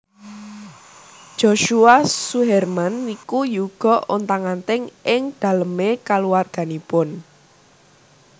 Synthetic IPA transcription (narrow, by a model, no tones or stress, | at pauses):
d̥ʒ̥oʃuasuɦɛrmanːikujuɡ̥ɔ̤ʔo̰nt̪aŋant̪ɪŋʔɪŋd̪̥ä̤ləmekaluwarɡ̥ä̤nipʊn